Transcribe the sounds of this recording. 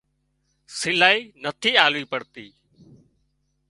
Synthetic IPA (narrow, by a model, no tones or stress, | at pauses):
sɪlaːiːnət̪ʰiːaːlʋiːpəɽt̪iː